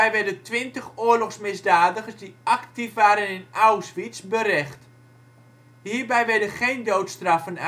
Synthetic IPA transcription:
ɛjʋɛrdəntʋɪntəxoːərlɔxsmɪzdaːdəχəsdiʔaktifʋaːɾənɪnʔawsʋisbəɾɛxt | hiːrbɛjʋɛrdəχeːndowtstrafən

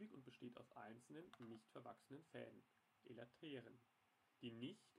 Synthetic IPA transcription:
ɪçʊnt̚b̥əʃteːta̰ʊfʔa̰ɪnt͡sl̩nənːɪçtfɛɐvaksənənfɛ̰ːldən | ʔelatʰeːʁən | d̥iːnɪçt

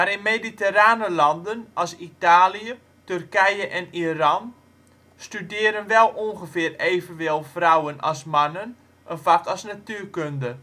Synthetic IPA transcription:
maɾɪnmediteɾaːnəlɑndənɑlˠsitaːliə | tørkɛjəʔɛnirɑn | stydɪːɾənʋɛlˠuŋɣəvɪəreːvənʋɪlˠfrawənɑ̰smanən | ʔənfakɑlˠsnatyərkøndə

